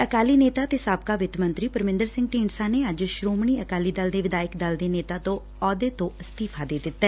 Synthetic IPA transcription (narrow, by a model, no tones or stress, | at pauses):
əkaːliːneːt̪aːt̪eːsaːb̚kaːʋɪt̪mə̃nt̪ɾiːpəɾmɪ̃nd̪əɾsɪ̃ŋɡʈiːɳsaːneːəd͡ʒʃɾoːmɳiːəkaːliːd̪əld̪eːʋɪd̪aːɪkd̪əld̪eːneːt̪aːt̪õː | ɔːd̪eːt̪õːəst̪iːpʰaːd̪eːd̪ɪt̪ːɛː